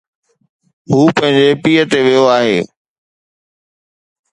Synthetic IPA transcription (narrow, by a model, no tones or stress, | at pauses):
ɦuːpɐ̃ɦɪ̃ɲd͡ʑepiːət̪eʋijoaːɦeː